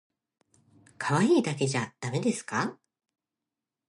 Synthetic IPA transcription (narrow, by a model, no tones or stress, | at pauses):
kʰaβaiːd̪ake̞ʑad̪̥ame̞d̪e̞sɨ̥ka